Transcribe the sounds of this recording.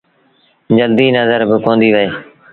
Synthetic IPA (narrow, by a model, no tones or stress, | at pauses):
d͡ʒəld̪iːnəzəɾbɪkõːnd̪iːʋəeː